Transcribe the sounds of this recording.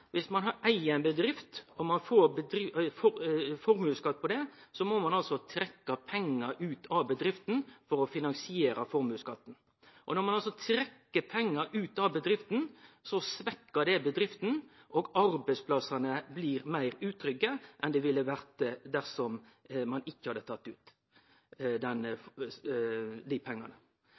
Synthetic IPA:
ʋʔɪsmɑnɦɑɾæɪənbəd̪ɾɪft̪ɔmɑnfoːɾbəd̪ɾɪfɔfɔɾmʉːskɑt̪̚ːpʰɔd̪ɛsɔmɔmɑnɑlsɔt̪ʰɾɛkːɑpʰɛŋːəɾʉːt̪ʰɑʋbəd̪ɾɪft̪n̩fɔɾɔfɪnɑnsɪeːɾɑfɔɾmʉːskɑt̪ːn̩ | ʔɔnɔɾmɑnɑls̬ɔt̪ʰɾɛkːəpʰɛŋːəɾʔʉːt̪ɑʋbəd̪ɾɪft̪n̩sɔsʋɛkːəd̪ɛbəd̪ɾɪft̪n̩ | ʔoːɡɑɾbɛɪspʰlɑsɑnəbliːɾmæɪɾʉːt̪ʰɾʏɡəʔɛnd̪ɛʋɪlːəʋæɾt̪d̪æɾsɔm | mɑnɪçːəhɑd̪ət̪ʰɑt̪ːʉːt̪ | d̪ɛnf | d̪iːpʰɛŋːɑ̰nə

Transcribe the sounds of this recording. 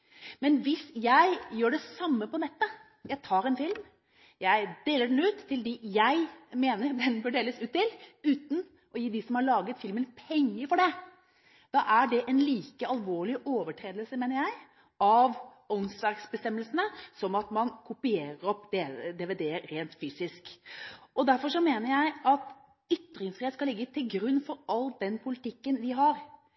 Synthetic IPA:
mɛnʋɪsjæɪjøːɖɛsɑmːəpɔnɛt̪ːə | jæɪt̪ʰɑːɾɛnfɪlm | jæɪd̪̥eːləɖɛnʉːt̪ʰːɪld̪ijæɪmeːnəɾd̪ɛnbœɖeːləsʉːt̪ːɪlʉːt̪n̩ | ʔɔjiːd̪ɪsɔmhɑɭɑːɡət̪fɪlmənpʰɛŋːəɾfɔɖɛ | d̪̥ɑʔæɖɛʔɛnliːkəɑlˠʋoːɭɪʔoːʋəʈʰɾeːd̪əlsəmeːnəɾjæɪ | ɑʋ | ɔnsd̪ɑɾksbəst̪ɛmːəlsənəsɔmɑt̪mɑnkʰʊpɪeːɾəɾɔpd̪ed̪ɛʋed̪eːɾɾeːnt̪fyːsɪskʔɔd̪æɾfɔɾʂɔmeːnəɾjæɪɑt̪ | ʏt̪ːɾɪŋsfɾɪeːt̪skɑlɪɡːət̪ʰɪlɡɾʉnːfɔɾɑld̪ɛnpʰʊlɪt̪ɪkːənʋɪɦɑɾ

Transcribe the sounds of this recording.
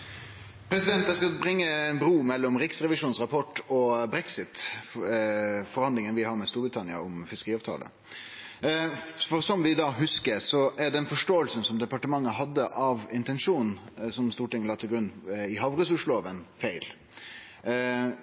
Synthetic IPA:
pʰɾɛsɪd̪ɛnt̪j̪æskɑbɾɪŋːəɛnbɾuːmɛlːɔmɾɪksɾɛʋɪʂuːnsʁɑpʰɔʈːɔbɾɛksɪt̪ | fɔɾhɑnd̪lɪŋənʋɪhɑːɾmɛst̪uːɾbɾɪt̪ʰɑnɪɑ̰ɔmfɪskəɾiːɑːʋt̪ʰɑ̰ːlə̰ | fɔɾsɔmʋɪd̪ɑːɦʉskəɾsɔæɖɛnfɔʂʈoːəlsən̩sɔmd̪ɛpɑʈəmɑŋːəɦɑd̪ːəʔɑʋɪnt̪ɛnʂuːn̩sɔmst̪uːʈɪŋəlɑːt̪ʰːɪɡɾʉnːɪɦɑʋɾəsʊʂloɑʋənfæɪl

